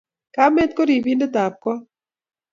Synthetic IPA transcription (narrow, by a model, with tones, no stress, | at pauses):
ka˦me˦t̪̚ko˦ɾi˨bi˦nde˦t̪a˨p̚kɔ˦